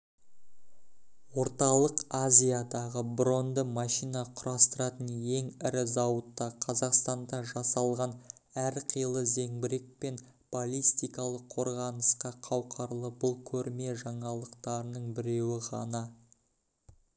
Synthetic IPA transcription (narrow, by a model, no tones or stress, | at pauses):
wo̞ɾt̪ɑlˠəqazʲijad̪ɑʁəbɾo̞nd̪əmɑʃijnɑqʰʊɾɑst̪əɾɑt̪ənje̞ŋɪɾɪzɑwət̪ːɑqʰɑzɑqst̪ɑnd̪ɑʒɑsɑlˠʁɑn | æɾqʰijəlˠəze̞ŋbɪɾe̞k̚pe̞n | b̥olʲist̪ijkɑlˠəqʰːo̞ɾʁɑnəsqɑqʰɑwqʰɑɾlˠəbʊlˠkʲʰɵɾme̞ʒɑɴɑlˠəqt̪ɑɾənəɴbɪɾe̞wɪʁɑ̰nɑ